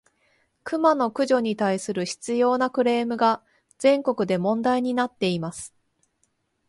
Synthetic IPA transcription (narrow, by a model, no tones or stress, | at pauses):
kɯ̟mano̞kɯ̟ʑo̞ɲ̟it̪aisɨɾɯ̟çi̥t͡sɨjo̞ːnakɯ̟ɾe̞ːmɯ̟ɡa | z̥ẽ̞ŋko̞kɯ̟d̪e̞mõ̞nd̪aiɲ̟inat̪ːe̞imasɨ̥